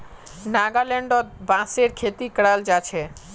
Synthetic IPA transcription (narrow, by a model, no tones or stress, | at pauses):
naɡalɛɳɖɔt̪bãseɾkʰet̪ikɽald͡ʑat͡ɕʰe